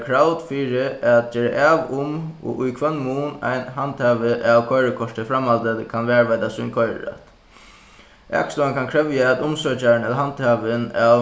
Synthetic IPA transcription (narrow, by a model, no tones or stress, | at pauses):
kʰɾawt̪fiːɾɪat̪̚d͡ʒɛːɾa̰ʔaːʋʊmɔ̰ʔʊjkʰʋœnːmuːna̰jnɦant̪ʰhaːʋɪʔaʋkʰɔjɾəkʰɔʂʈɪfɾamalt̪ət̪kʰanʋɛːɹʋajt̪asʊjnkʰɔjɾa̰t̪ | ɛ̰kslɔankʰankʰɾɛvjaat̪ʊmsœːt͡ʃaɾnɛlaɦant̪haːʋɪnaʋ